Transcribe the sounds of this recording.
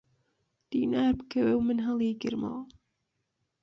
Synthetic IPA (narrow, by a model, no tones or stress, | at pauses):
d̪̥iːnaːɾbkʰəwewmɨnɦɐlˠiːɡɨ̰ɾmɑ̰l